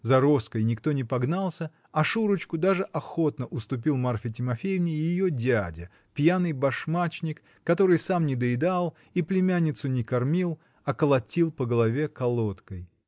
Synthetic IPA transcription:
zɐɾo̞skəjnʲɪkt̪o̞nʲɪpɐɡnalˠsʲə | ɐʂuɾɨt͡ɕkʊd̪aʐɨʔɐxo̞t̪nəʔʊst̪ʊp̬ʲilˠmarfʲɪtʲɪmɐfʲejɪvnʲɪjjɪjodʲadʲə | pjanɨjbɐʂmat͡ɕnʲɪkːɐt̪o̞ɾɨjsamnʲɪd̪əɪd̪alˠ | iplʲɪmʲanʲːɪt̪sʊnʲɪkɐrmʲilˠ | ɐkəlˠɐtʲilˠpəɡəlˠɐvʲekɐlˠot̪kəj

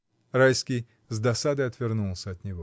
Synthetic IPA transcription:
rajskʲij | zd̪ɐsad̪ɨɐt̪vʲɪrnulˠsʲəɐt̪nʲɪvo

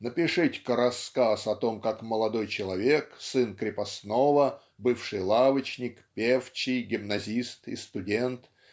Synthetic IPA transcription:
nəpʲɪʂɨtʲkɾɐskasɐt̪o̞mkakməlˠɐd̪o̞jt͡ɕɪlˠɐvʲeksɨnkɾʲɪpɐsnovə | bɨfʂɨjlˠavət͡ɕnʲɪkpʲeft͡ɕɪjɡʲɪmnɐzʲist̪ɪ̰st̪ʊdʲent̪

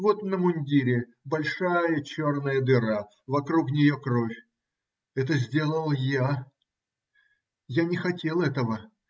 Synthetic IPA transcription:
vo̞t̪nəmʊnʲdʲiɾʲɪ | bɐlʲʂajət͡ɕo̞rnəjəd̪ɨɾa | vɐkɾuknʲɪjo̞kɾo̞fʲ | ɛt̪̬əzʲdʲe̞lˠəlˠja | janʲɪxɐtʲe̞lˠɛt̪əvə

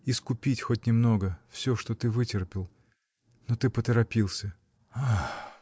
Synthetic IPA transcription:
ɪskʊpʲitʲxo̞t̚ʲnʲɪmno̞ɡəfsʲɵʂt̪o̞t̪ɨvɨtʲɪrpʲɪlˠ | not̪ɨpət̪əɾɐpʲilˠsʲə | a

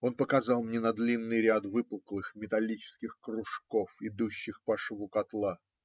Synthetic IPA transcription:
o̞npəkɐzɑlˠmnʲenɐd̪lʲinːɨjɾʲat̪vɨpəlˠklˠɨxmʲɪt̪ɐlʲit͡ɕɪ̥skʲɪxkɾʊʂko̞fɪd̪uɕːɪxpɐʂvukɐt̪lˠa

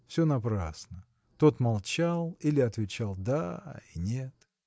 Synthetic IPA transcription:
fsʲɵnɐpɾa̰snə | t̪o̞t̪malˠt͡ɕalˠilʲɪɐt̪vʲɪt͡ɕalˠd̪ainʲet̪

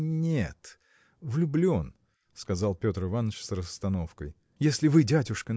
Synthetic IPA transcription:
nʲet̪ | vlʲʊblʲo̞n | skɐzɑlˠpʲo̞t̪rɨvanːət͡ɕsrəst̪ɐno̞fkəj | jesʲlʲɪvɨdʲædʲʊʂkən

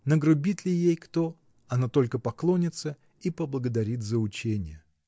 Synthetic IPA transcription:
nəɡɾʊbʲit̪lʲɪjejkt̪o̞ | ɐnat̪o̞lʲkəpɐklˠo̞nʲɪt̪sə | ipəblˠəɡəd̪ɐɾʲit̪zəʊt͡ɕenʲɪjə

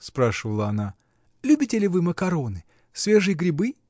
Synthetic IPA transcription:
spɾaʂɨvəlˠəɐna | lʲubʲɪtʲɪlʲɪvɨməkɐɾo̞nɨ | svʲe̞ʐɨjəɡɾʲɪbɨ

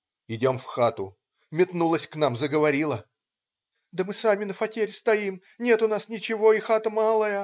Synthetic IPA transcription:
ɪdʲo̞mfxat̪ʊ̰ | mʲɪt̪nulˠəsʲknamzəɡəvɐɾʲilˠə | d̪əmɨsamʲɪnəfɐtʲeɾʲst̪ɐim | nʲe̞t̪ʊnasnʲɪt͡ɕɪvo̞ɪxat̪əmalˠəjə

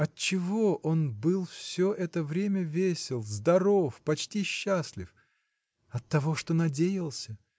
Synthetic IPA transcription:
ɐt̚t͡ɕɪvo̞ʔo̞nbɨlˠfsʲɵʔɛt̪əvɾʲemʲəvʲesʲɪlˠzd̪ɐɾofpɐt͡ɕtʲiɕːasʲlʲɪf | ɐt̪ːɐvo̞ʂt̪onɐdʲejɪlˠsʲə

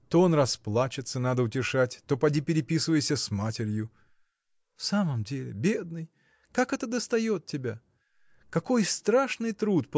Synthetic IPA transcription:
t̪oonrɐsplˠat͡ɕɪt̪sənad̪əʊtʲɪʂatʲt̪o̞pɐdʲipʲɪɾʲɪpʲisɨvəjɪsʲəsmatʲɪɾʲjʊ | fsaməmdʲelʲɪ̰bʲed̪nɨj | kakɛt̪əd̪əst̪ɐjo̞t̪̚tʲːɪbʲa | kɐko̞jst̪ɾaʂnɨjt̪ɾut̪p

